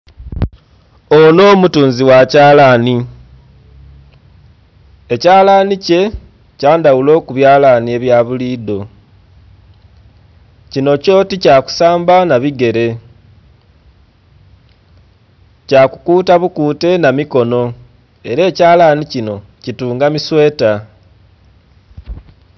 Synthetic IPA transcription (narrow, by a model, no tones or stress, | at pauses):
o̞no̞ːmutuːnziwacaːlani | ecaːlanice̞ | caːndawulo̞ːkuβjaːlanie̞βjaβuliːdo̞ | cino̞co̞ticaːku̥saːmbanaβiɡe̞ɾe̞ | caːkukuːtaβukuːte̞namiko̞no̞ | e̞ɾe̞ːcaːlaːnicino̞ | cituːŋɡamiswe̞ːta